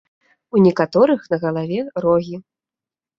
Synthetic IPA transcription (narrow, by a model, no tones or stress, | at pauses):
unʲɛkat̪ɔɾɨxnɐɣɐlˠavʲɛɾɔɣʲi